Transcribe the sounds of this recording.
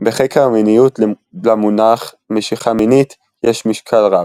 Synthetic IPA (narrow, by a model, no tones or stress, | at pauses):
beχekʰeʁminijut̪l | lamunaχ | meʃiχaminit̪ | jeʃmiʃkʰalʁḁ